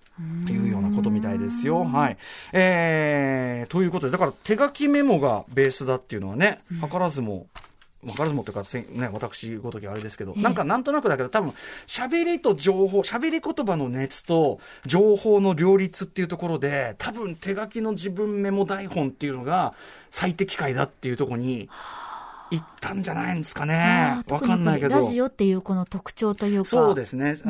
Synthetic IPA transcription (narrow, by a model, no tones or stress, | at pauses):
jɯ̟ːjo̞ːnako̞t̪o̞mʲit̪aid̪e̞sɨjo̞ɦaieː | t̪o̞jɯ̟ːko̞t̪o̞d̪ed̪akaɾat̪e̞ɡakʲime̞mo̞ɡa̰be̞ːsɨd̪at̪ːe̞iɯ̟noβane̞hakaɾazɨmo̰ | mhakaɾazɨmot̪eiɯ̟kasẽne̞βat̪akɯ̟̥ɕiɡo̞t̪okʲiβaːɾe̞d̪e̞sɨ̥ke̞d̪o̞̰nãŋkanãnt̪o̞nakɯ̟d̪ake̞d̪ot̪ʰabɯ̟̃ɰ̃ɕabe̞ɾʲit̪o̞d͡ʑo̞ːɦo̞ːɕabe̞ɾʲiko̞t̪o̞bano̞ne̞t͡sɨ̥t̪o̞ | d͡ʑo̞ːho̞ːno̞ɾʲo̞ːɾʲit͡sɨt̪ːe̞iɯ̟t̪o̞ko̞ɾo̞d̪e̞t̪ʰabɯ̟̃nt̪e̞ɡakʲino̞d͡ʑibɯ̟̃mme̞mo̞d̪aihõ̞nt̪ːeiɯ̟no̞ɡa | sait̪e̞kʲi̥kaid̪a̰t̪ːe̞iɯ̟t̪o̞ko̞ɲ̟i | it̪ʰːãɲ̟d͡ʑanaĩnd̪esɨ̥kane̞βakanːaike̞dɾoʑiot̪ːe̞jɯ̟ːko̞not̪okɯ̟̥t͡ɕo̞ːt̪ojjɯ̟ːsoːd̪e̞sɨne̞